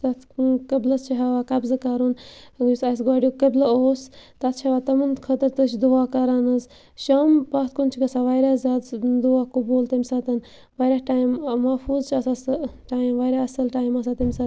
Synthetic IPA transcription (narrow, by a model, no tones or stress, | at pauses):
t̪ɐt̪ʰkɐblɐst͡ʃʰiɦaʋaːkɐbzɨkaɾunisɐs̬ɡaːɖʲijokɐblɐoːst̪ɐt̪̚ʰt͡ʃʰɐʋaːt̪ɐmɨnkʰɐt̪ɨɾt̪ɨt͡ʃʰd̪uaːkɐɾaːnɐz | ʃaːmbɐt̪̚ʰkunt͡ʃʰikɐsaʋɐjɾaːzaːd̪d̪uaːkubuːlt̪ɐmʲsat̪ɨn | ʋajɾʲahʈaːjmːɐfuːzt͡ʃʰɐsasʈaːjimʋajɾaɐsɐlʈaːjmɐs̬at̪ɐmʲisa